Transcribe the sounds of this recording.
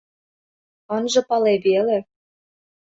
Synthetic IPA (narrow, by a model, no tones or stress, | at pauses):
ɤ̆nʒɤ̆pɑleβele